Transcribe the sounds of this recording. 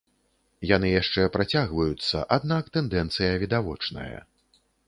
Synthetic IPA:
janɨjaʂt͡ʂɛpɾat͡sʲaɣvɐjut̪sːɐ̰ʔad̪nakt̪ɛnd̪ɛnt̪sɨjɐvʲid̪avɔt͡ʂnɐ̰jɐ̰

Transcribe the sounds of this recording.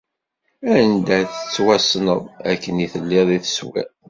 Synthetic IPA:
æənd̪æθə̥t͡sːwæsnəðˤæ̰kːəniθəlːiðˤiθə̥swæ̰

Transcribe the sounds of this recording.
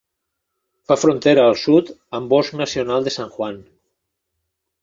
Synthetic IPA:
fafɾont̪eɾaːlˠsut̪əmbɔsknasionalˠd̪esaŋʝwan

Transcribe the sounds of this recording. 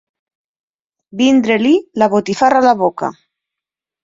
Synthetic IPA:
bind̪ɾelilaβot̪ifaralaβoka̰

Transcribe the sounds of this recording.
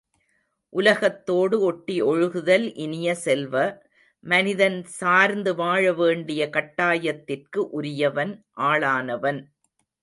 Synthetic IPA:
ʔʊlɐɣɐt̪ːoːɽɯɔʈːiɔɻɯɣɯðɐlʔɪnɪjɐsɛlʋɐ | mɐnɪðɐnsaːɾnd̪ɯʋaːɻɐʋeːɳɖɪjɐkɐʈːaːjɐt̪ːɪrkɯʔʊɾɪjɐʋɐnʔaːɭaːnɐʋɐn

